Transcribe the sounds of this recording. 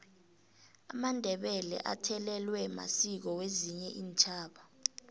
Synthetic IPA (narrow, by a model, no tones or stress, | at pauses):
amandʱɛɓɛlɛ̰ʔa̰tʰɛlɛlwɛma̰sik̬ɔweziɲɛʔiːnt͡ʃʰʼaːɓa